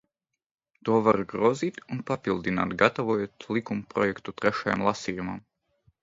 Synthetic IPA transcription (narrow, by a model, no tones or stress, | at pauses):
t̪uɔvaɾɡɾɔːziːt̪unpapilˠd̪ina̰ːt̪ɡat̪avɔjuːt̪lˠikumupɾɔjɛkt̪ut̪ɾɛʃaja̰mlˠasʲijumam